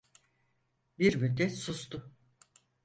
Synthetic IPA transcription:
biɾmylʲd̪ɛsust̪ʰʊ

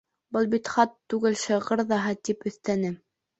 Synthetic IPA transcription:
bɤlˠbit̪χɑt̪ːʉɡɘlʃɤʁɤ̆ɾðɑɦɤt̪ipɵ̆θt̪ænɘ

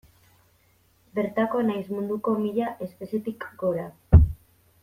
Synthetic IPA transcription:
be̞ɾt̪ako̞najzmund̪uko̞miʎaʔe̞spe̞sje̞t̪ikɡo̞ɾa

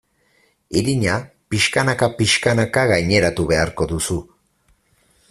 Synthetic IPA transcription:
iɾiɲapiʃkanakapiʃkanakaɣajɲeɾat̪uβeaɾkod̪usu

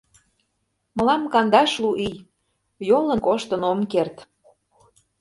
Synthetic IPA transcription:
mə̆lɑmkɑnd̪ɑʃluʔij | jolənkoʃt̪ə̆nomkert̪

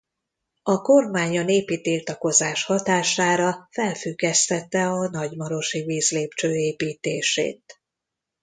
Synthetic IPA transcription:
ɒko̞rmaːɲɒneːpit̪ilt̪ɒko̞zaːʃhɒt̪aːʃaːɾɒfɛlfyɡːɛst̪ɛt̪ːɛɒnɒɟmɒɾo̞ʃiviːzleːpt͡ʃøːeːpiːt̪eːʃḛːt̪̚

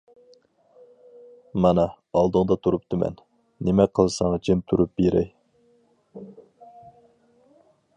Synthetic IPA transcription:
mɑnɑ | ɑlˠd̪ɨŋd̪ɑt̪ʰuɾup̚t̪ɨmɛ̰nː | emɛqʰəlˠsɑŋɑd͡ʒʰemt̪ʰuɾup̚beɾɛ̰j

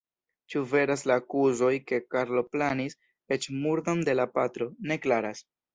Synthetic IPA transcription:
t͡ʃuve̞ɾaslaːkuzo̞jke̞kaɾlo̞planis | e̞t͡ʃmuɾdonde̞lapatɾo̞ne̞klaɾas

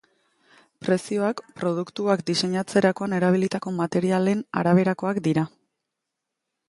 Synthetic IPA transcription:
pɾe̞sio̞akpɾo̞ð̞ukt̪uakd̪ise̞ɲat͡se̞ɾako̞ane̞ɾaβ̞ilit̪ako̞mat̪e̞ɾiale̞na̰ɾaβ̞e̞ɾako̞akd̪iɾa

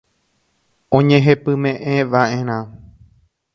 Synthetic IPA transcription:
õɲẽɦepɨ̃mẽʔẽʋaʔẽɾ̃ã

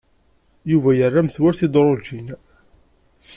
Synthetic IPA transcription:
juvæjərˤːamθwaɾθid̪ˤɾˤod͡ʒin

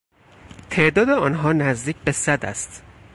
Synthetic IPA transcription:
t̪ʰe̞ʔd̪ɒːd̪eɒːnɦɒːnæzd̪iːcʰbe̞sæd̪æ̰st̪

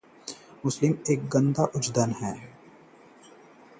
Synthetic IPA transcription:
mʊslɪmeːk̚ɡə̃nd̪aʔʊd͡ʒd̪ənɦɛː

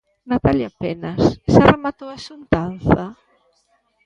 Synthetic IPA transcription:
nat̪aljapɛnasːaremat̪owasunt̪anθɐ

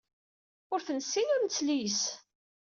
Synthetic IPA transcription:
ʊɾθənsːinʊɾmt͡sːlis

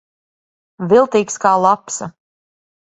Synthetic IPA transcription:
vilˠt̪iːkskaːlˠapsa

